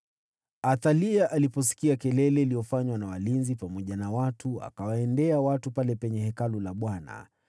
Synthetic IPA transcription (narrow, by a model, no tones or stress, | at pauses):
aθaliaʔalipɔs̬i̥kiakɛlɛlɛiliɔfaɲwanawalinzipamɔʄanawatʰua̰kawaɛndɛawatupalɛpɛɲɛhɛkalulaɓwana̰